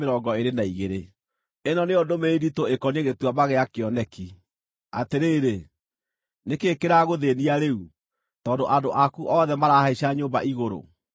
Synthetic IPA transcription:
eɾɔːɡɔeɾenaiɣeɾe | enɔneondomeiditoekɔneɣetwamaɣeakeɔnɛki | ateɾeːɾe | nekeːkeɾaɣoðeniaɾeu | tɔːndoʔadoʔakuʔɔːðɛmaɾahaiɕaɲoːmba̰ʔiɣoɾo̰

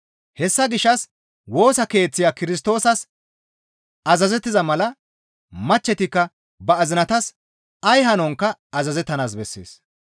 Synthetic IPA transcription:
hɛsːɐɡɪʃːɐs | wo̞ːsɐke̞ːt͡sːɪjaːkɪɾɪs̬t̪o̞ːsɐs | ɐzɐzɛt̪ːɪzɐmɐlɐ | mɐt͡ʃːɛt̪ɪkːɐ | bɐːzɪnɐt̪ɐs | ɐjɦɐnɔŋkːɐɐzɐzɛt̪ːɐnaːs̬bɛsːḛːs

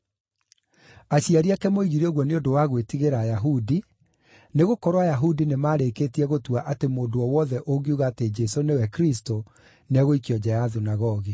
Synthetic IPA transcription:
aɕiaɾiakɛmoiɣiɾeɔɣwɔneondowaɣwetiɣeɾaːjaɦudi | neɣokɔɾwajaɦudinemaːɾekeːtiɛɣotuaʔatemoːdoɔwɔðɛʔoɡiuɣaːted͡ʒɛsonewɛkɾis̬to | nɛɣoikiɔd͡ʑɛjaðunaɣɔɣi

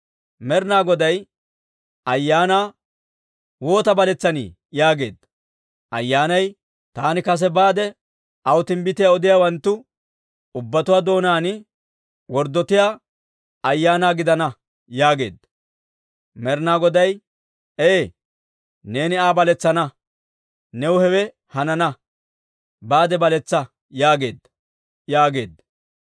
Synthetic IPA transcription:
mɛɾnaːɡɔd̪ɐj | ɐjːaːnaː | wo̞ːt̪ɐbɐlɛt͡sːɐnḭː | jaːɡe̞̰ːd̪ːɐ | ʔɐjːaːnɐj | t̪aːnɪkɐs̬ɛbaːd̪ɛ | ɐwt̪ɪmbɪt̪ɪjaɔd̪ɪjaːwɐnt̪ːʊ | ʊbːɐt̪ʊwaːd̪o̞ːnaːnɪ | wɔɾd̪ɔt̪ɪjaː | ɐjːaːnaːɡɪd̪ɐnɐ | jaːɡe̞̰ːd̪ːɐ | mɛɾnaːɡɔd̪ɐj | eː | ne̞ːnɪaːbɐlɛt͡sːɐnɐ | nɛwʊhɛwɛ | hɐnɐnɐ | baːd̪ɛbɐlɛt͡sːɐ | jaːɡe̞̰ːd̪ːɐ | jaːɡe̞̰ːd̪ːɐ

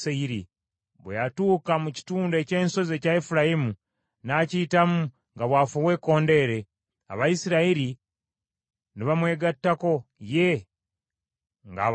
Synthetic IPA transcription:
aiɾḭ | βwejatuːkamuci̥tuːnde̞ce̞ːnso̞ze̞caefuɾajimu | naːcitamu | ŋɡaβwaːfowe̞ːko̞ːnde̞ːɾe̞ | a̰βajisiɾaiɾi | niβamwe̞ːɡatːako̞je | ŋɡa̰

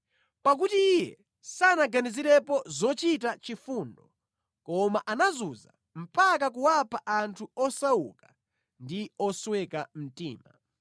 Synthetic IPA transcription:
pak̬utiːjɛ | sanaɡaniziɾɛpɔzɔt͡ʃitat͡ʃifundɔ | kɔmaʔanazuza̰ | m̩pak̬ak̬uwapʰaʔantʰuɔsauka | ndiɔswɛkam̩tḭːma

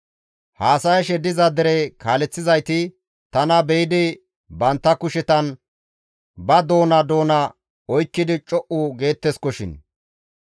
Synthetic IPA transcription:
haːsɐjʃɛd̪ɪzɐd̪ɛɾɛkaːlɛt͡sːɪzɐjt̪ɪ | t̪ɐnɐbɛjɪd̪ɪ | bɐnt̪ːɐkʊʃɛt̪ɐn | bɐd̪o̞ːnɐd̪o̞ːnɐ | ɔjkːɪd̪ɪt͡ʃʼɔʔʊɡe̞ːt̪ːɛskɔʃɪ̰n

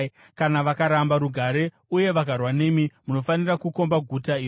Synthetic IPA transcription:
kanaʋakaɾambaɾuɡʱaɾe̞ | uje̞ʋakarwane̞mimuno̞fanirakuko̞mbaɡʱutai

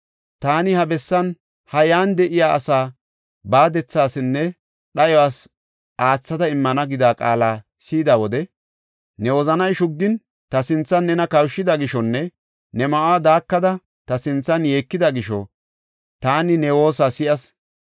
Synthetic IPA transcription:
t̪aːnɪhɐbɛsːɐn | hɐjaːnd̪ɛʔɪjaːɐ̰saː | baːd̪ɛt͡sːaːsɪnːɛ | ɗɐjɔaːs | ʔaːt͡sːɐt̪ɐɪmːɐnɐɡɪd̪aːkʼa̰ːlaː | siːd̪awɔd̪ɛ | nɛwɔzɐnɐjʃʊɡ̚d̪ɪn | t̪ɐsɪnt͡sːɐnːɛnɐkɐwʃːɪd̪ɐɡɪʃɔnːɛ | nɛmɐʔaːd̪aːkːɐd̪ɐ | t̪ɐsɪnt͡sːɐnje̞ːkːɪd̪ɐɡɪʃɔ̰ | t̪aːnɪnɛwo̞ːs̬aːsɪʔɐs

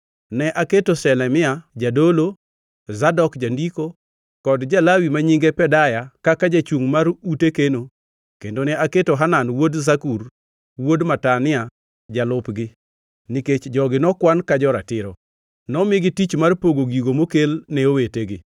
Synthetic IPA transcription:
nɛʔaketosɛlɛmɪad͡ʒadolo | zadɔkd͡ʒandiko | kɔdd͡ʒalawimaɲiŋɡepɛdajakakad͡ʒat͡ʃuŋmaɾutekeno | kendonɛaketoɦananwodzakur | wodmatanɪa | d͡ʒalʊpɡɪ | niket͡ʃd͡ʒɔɡɪnɔkwankad͡ʒɔɾa̰tɪɾɔ | nɔmɪɡɪtit͡ʃmarpoɡoɡiɡomokelneoweteɡɪ

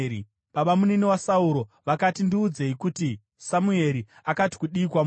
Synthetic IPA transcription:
ɓaɓamuneniwasauɾo̞ʋakatindiːd͡ze̞ikuti | samue̞ɾi | akati̥kuɗiːkwam

